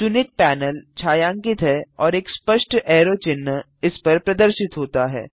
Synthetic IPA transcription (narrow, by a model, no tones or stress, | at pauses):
sʊnɪk̚pɛːnəlt͡ʃʰaːjãːŋkɪt̪ɦɛɔːɾeːkspəʃʈɛːɾoːt͡ʃɪnːə | ɪspɐɾpɾɐd̪əɾʃɪt̪ɦoːt̪aɦɛ̰ː